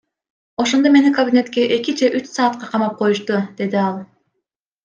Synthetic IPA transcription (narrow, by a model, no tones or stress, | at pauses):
o̞ʃo̞nd̪ome̞nikɐbʲinʲe̞t̪kʲe̞ʔe̞kid͡ʒe̞ʔyt͡ʃsɑːt̪̚qɑqʰɑmɑp̚qʰo̞juʃt̪ud̪̥e̞d̪iɑlˠ